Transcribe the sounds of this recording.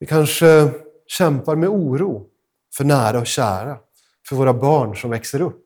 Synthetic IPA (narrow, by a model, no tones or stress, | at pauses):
vɪkʰanʂə | ɕɛmpaɾmɛuːɾuː | fœɳæːɾaɔkɕæ̰ːɾa | fœɾvoːɾabɑːɳʂɔmvɛksəɾɵpː